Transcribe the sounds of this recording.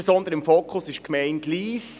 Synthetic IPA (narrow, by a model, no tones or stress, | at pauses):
esɔnd̪əɾəɪmfoːkʰχʊsɪʃkmɛɪntliːs